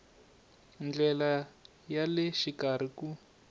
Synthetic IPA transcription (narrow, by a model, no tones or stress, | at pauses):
nd͡ɮɛla | jalɪʃikaɾ̤iku